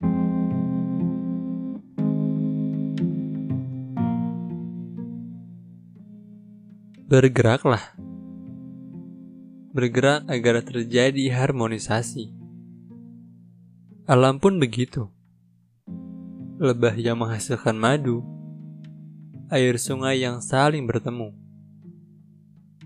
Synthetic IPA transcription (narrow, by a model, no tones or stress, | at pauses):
bərɡəɾak̚lah | bərɡəɾak̚aɡart̪ərd͡ʒadiɦarmonisasi | ʔalampʊnbəɡit̪u | ləbahjaŋməŋɦasɪlkanmadu | aɪrsuŋajːaŋsalɪŋbərt̪əmu